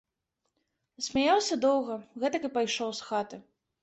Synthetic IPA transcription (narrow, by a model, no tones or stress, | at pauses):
sʲmʲajawsʲɐd̪ɔwɣɐɣɛt̪ɐkɨpajʂɔwsxat̪ɨ